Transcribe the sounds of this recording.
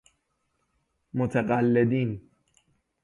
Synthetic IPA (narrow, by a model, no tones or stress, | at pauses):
mʊt̪ʰaqʼalːɪd̪iːn